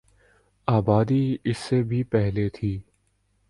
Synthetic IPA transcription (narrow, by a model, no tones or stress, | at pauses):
aːbaːd̪iɪsːebʱipɛɦlet̪ʰiː